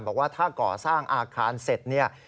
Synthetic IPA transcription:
nbɔː˨˩k̚waː˥˩t̪ʰaː˥˩kɔː˨˩saː˥˩ŋʔaː˧kʰaː˧nse˨˩t̪̚ni˥˩ɐ

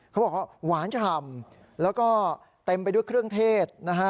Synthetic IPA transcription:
kʰwbɔː˨˩k̚waː˥˩waː˩˦nt͡ɕa˧˩t̪ʰa˧m | lɛː˦˥wkɔː˥˩ | t̪e˧mpa˧jdu˥˩jkʰɾɯ˥˩əŋt̪ʰeː˥˩t̪̚na˦˥kʰa˦˥

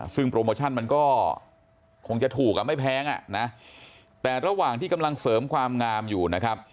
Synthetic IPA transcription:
sɯ˥˩ŋpɾoː˧moː˧t͡ɕʰa˥˩nma˧nkɔː˥˩ | kʰo˧ŋt͡ɕa˨˩t̪ʰuː˨˩k̚ʔa˨˩ma˥˩jpʰɛː˦˥ŋʔa̰˨˩na˦˥ | t̪ɛː˨˩ɾa˧waː˨˩ŋt̪ʰiː˥˩ka˧mla˧ŋsɤː˩˦mkʰwaː˧mŋaː˧mjuː˨˩na˦˥kʰa˦˥p̚

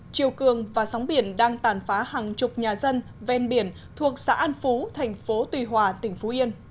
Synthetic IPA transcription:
t͡ɕi˨˩əwkɨ˨˩əŋvaː˨˩sɔ˨˦wŋ͡mɓi˧˩ənɗaː˧ŋt̪aː˨˩nfaː˨˦haː˨˩ŋt͡ɕʊ˨˩k͡p̚ɲaː˨˩zə˧n | vɛ˧nɓi˧˩ən | t̪ʰu˨˩ək̚sa̰ː˧˥ʔaː˧nfu˨˦t̪ʰɛ˨˩ŋ̟fo˨˦t̪wi˨˩ɦwaː˨˩t̪ï˧˩ŋ̟fo˨˦ʔi˧ən

